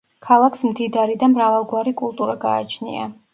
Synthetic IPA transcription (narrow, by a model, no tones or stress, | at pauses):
kʰalˠakʰsmd̪id̪aɾid̪amɾavalˠɡwaɾikʼulˠt̪ʼuɾaɡa̰ːt͡ʃʰnḭa̰